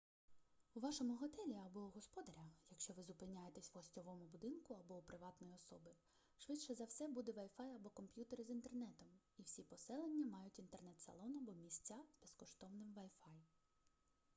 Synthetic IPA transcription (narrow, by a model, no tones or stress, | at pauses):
uʋɑʃɔmʊɦɔt̪ɛlʲiɐbɔɦɔspɔd̪ɐɾʲɐjɐkʃt͡ʃɔʋɪzʊpɪnʲajet̪esʲʋɦɔsʲtʲɔʋɔmʊbʊd̪ɪnkʊɐbɔpɾɪʋɑt̪nɔjiɔsɔbɪ | ʃʋɪtt͡ʃɛzɐwsɛbud̪ɛʋɐjfɑjɐbɔkɔmpʲjut̪eɾɪzint̪ernɛt̪ɔm | iwsʲipɔsɛlˠenʲːɐmɑjʊtʲint̪ernɛt̪sɐ̰lˠɔnɐbɔmʲisʲt͡sʲːazbeskɔʃt̪ɔwnɪmʋɐjfɑj